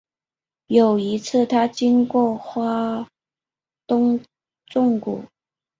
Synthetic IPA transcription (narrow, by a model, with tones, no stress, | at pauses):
jo˨˩ʊi˧˥t͡sʰɹ̩˥˩t̪ʰa˥t͡ɕi˥nkwɔ˥˩xwa˥ | t̪ʊ˥ŋ | ʈ͡ʂʊ˥˧ŋkṵ˨˩˦